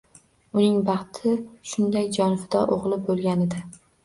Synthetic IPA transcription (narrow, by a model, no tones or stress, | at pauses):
ʊnɪŋbɑχt̪ʰɪʃʊnd̪ajd͡ʒɒnfɪd̪ɒʔoʁlˠɪbolˠɡʲanɪd̪a